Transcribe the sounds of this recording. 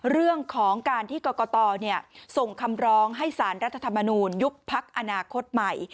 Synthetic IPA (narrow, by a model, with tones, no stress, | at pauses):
ɾɯ˥˩əŋkʰɔː˩˦ŋkaː˧nt̪ʰiː˥˩kɔː˧kɔː˧t̪ɔː˧ni˥˩əso˨˩ŋkʰa˧mɾɔː˦˥ŋɦa˥˩jsaː˩˦nɾa˦˥t̪ʰːa˧t̪ʰa˧mːa˧nuː˧nju˦˥k̚pʰːa˦˥k̚ʔa˧naː˧kʰo˦˥t̪̚ma˨˩j